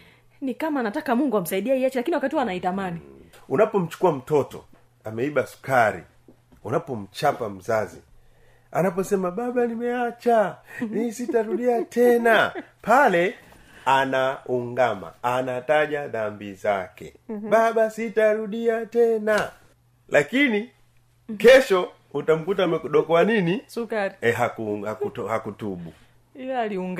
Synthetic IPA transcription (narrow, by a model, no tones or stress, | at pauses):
nikamaːnatakamuŋɡuam̩saiɗiaiat͡ʃilakiniwakatihwanaitamaniunapɔm̩t͡ʃu̥kuwam̩tɔtɔ̰ | amɛiɓasu̥kaɾḭ | unapɔm̩t͡ʃapam̩zazḭ | a̰napɔsɛmaɓaɓanimɛat͡ʃanisitaɾuɗiatʰɛnapalɛ | anauŋɡama̰ːnataʄaðambiza̰kɛ̰babasitaɾuɗiatɛna | lʔakini | kɛʃɔ | utam̩kutamɛkuɗɔkɔanini | ɦakuakhakutuɓu | ŋ